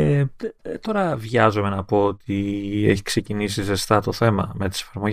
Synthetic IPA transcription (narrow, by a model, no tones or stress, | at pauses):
et̪o̞ɾɐvʝɐzome̞nɐpo̞ot̪ieçi̥kse̞cinisize̞st̪ɐt̪o̞θe̞mɐme̞t̪i̥se̞̥fɐɾmo̞